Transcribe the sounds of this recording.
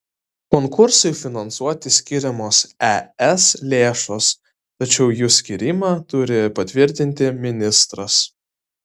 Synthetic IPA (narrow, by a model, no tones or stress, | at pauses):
kɔŋkʊɾsɐɪfʲɪnɐnsuɔt̪ʲɪsʲkʲɪɾʲɛmoːsɛɛslʲeːʃoːs | t̪ɐt͡ʃʲɛʊjuːsʲkʲiɾʲimɑːt̪ʊɾʲɪpɐt̪ʲʋʲɪɾʲt̪ʲɪnʲt̪ʲɪmʲɪnʲɪst̪ɾɐs